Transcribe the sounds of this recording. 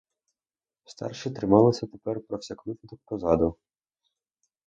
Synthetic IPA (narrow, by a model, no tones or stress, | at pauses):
st̪ɑ̰rʃɪt̪ɾɪmɑlˠɪsʲɐt̪epɛrpɾɔfsʲɐklɪt̪ʲɪd̪ɔk̚pɾɔzɑd̪ʊ